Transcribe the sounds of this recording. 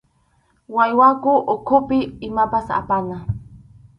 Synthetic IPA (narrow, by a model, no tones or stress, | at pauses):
wajwakʊʔokʰʊpɪːmapasa̰pana